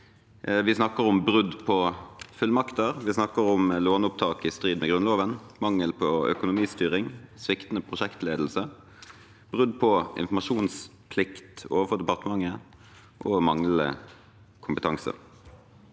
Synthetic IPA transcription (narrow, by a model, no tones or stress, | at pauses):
ʋɪsnɑkːəʁʊmbɾʉd̪pʰɔfʉlmɑkt̪əʁʋɪsnɑkəɾʊmloːnʊp̚t̪ʰɑːkɪst̪ʁiːd̪mɛɡʁʉnloːʋənmɑŋːəlpʰɔœ̰kʊnʊmiːst̪yːʁɪŋsʋɪkt̪ənəpʰʁʊʂɛkt̪leːd̪l̩sə | b̥ʁʉd̪pʰɔɪ̰nfɔmɑʃuːns | pʰlɪkt̪oːʋəfɔʁd̪ɛpɑʁt̪əmɑŋːə | ʔɔmɑŋləə̰ | kʰʊmpət̪ʰɑŋsə̰